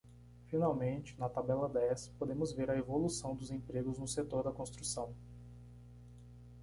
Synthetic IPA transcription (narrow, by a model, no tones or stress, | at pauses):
finawmẽnt͡ʃɪ̥nɐt̪abɛlɐd̪ɛspod̪ẽmʊzveɾɐevolusɐ̃w̃d̪ʊzẽpɾeɡʊznʊset̪oɾd̪ɐkõst̪ɾusɐ̃w̃